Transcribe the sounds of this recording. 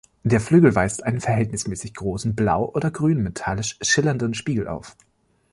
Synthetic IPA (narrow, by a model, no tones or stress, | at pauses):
d̥eːɐflyːɡl̩vaɪstʔaɪnənfɛɐɦɛltnɪsmɛːsɪçɡ̥ʁoːsn̩blaʊʔoːdɐɡʁyːnmetʰalɪʃʃɪlɐndənʃpiːɡl̩ʔa̰ʊf